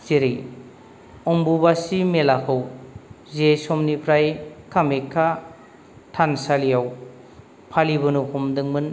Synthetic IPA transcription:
teɾij | ɔmbubasimelakʰɯw | zesɔmnipʰɾajkʰamekʰːa | tʰansalijaw | pʰaliβɯnuhʰɔmdɯŋmɯn

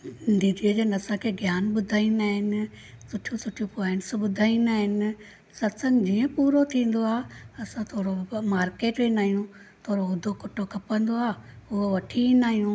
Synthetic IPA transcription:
d̪iːd̪iəd͡ʑɐnɐsãkʰeːɡʱjaːnbʊd̪ʱaːĩnaːɦɪnɪ̆ | sʊʈʰijũsʊʈʰijũpõːɪnsbʊd̪ʱaːĩnaːɦɪnɪ̆ | sɐt̪sə̃ŋɡd͡ʑiːə̃puːɾot̪ʰĩːn̆d̪oaːɐsãt̪ʰoːɽomaːɾkeːʈẽːnaːijũ | t̪ʰoːɾoʊd̪ʱokʊʈʰokʰɐpə̃nd̪oaːʊɦoʋɐʈʰiĩnaːɦijũ

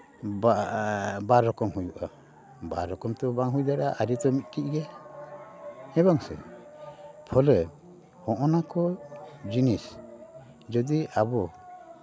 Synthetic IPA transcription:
baɾɾːɔkɔmɦujuʔa | baɾɾːɔkɔmt̪ɔbaŋɦujd̪aɾaʔaɾit̪ɔmit̪̚ˀkiʔɡɛ | ɛbɔŋsɛ̰ | pʰɔlə | hɔʔɔnakɔd͡ʒinis | d͡ʒɔd̪iabɔ

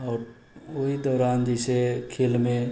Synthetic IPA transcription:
ɔːɾ | oɦid̪ɔːɾaːnd͡ʒɛsekʰelmẽ

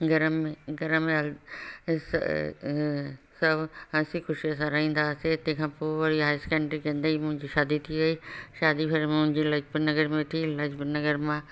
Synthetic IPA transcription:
ɡɐɾəmːẽɡɐɾəmːẽɐl | s | sɐbɐ̃sixʊʃies̬ãɾɐɦĩːn̆d̪aːset̪ẽkʰãpoɾiɦaːɪskɛ̃ːɳɖɾikẽnd̪əimʊ̃ɦɪ̃ɲd͡ʑiʃaːd̪it̪ʰiɡɐiʃaːd̪ipʰɪɾmʊ̃ɪ̃ɲd͡ʑilɐd͡ʒbnɐɡəɾmẽt̪ʰilɐd͡ʒbnɐɡəɾmãː

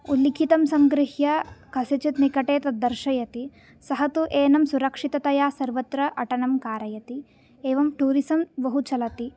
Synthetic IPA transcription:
ulːikʰit̪ɐmsɐmɡɾɪhjɐkʰɐset͡ʃit̪nikɐʈeːt̪ɐd̪ːɐɾʃɐjɐt̪i | sɐɦɐt̪uʔeːnɐmsuɾɐkʂit̪ɐt̪ɐjaːsɐɾʋɐt̪ɾɐʔɐʈɐnɐmkaːɾɐjɐt̪i | eːʋɐmʈuːɾisɐmʋɐɦut͡ʃɐlɐt̪i

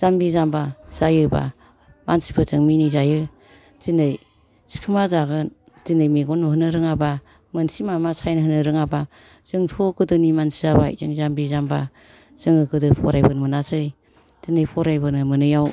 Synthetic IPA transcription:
z̥ambizambaz̥ajɯba̰ | mansi̥pʰɯzɯŋminizajɯ | z̥inɯj | si̥kʰɯmazaɡɯn | z̥inɯjmeɡɔnɔhɯnɯɾɯŋaba | mɯnsimamasʰajnɦɯnɯɾɯŋaba | z̥ɯŋtʰɔɡɯdɯnimansizaba̰zɯŋzambizamba̰ | z̥ɯŋɯɡɯdɯpʰɔ̰ɾajbɯnmɯnasɯj | zinɯjpʰɔɾajbɯnɯmɯnɯjaw

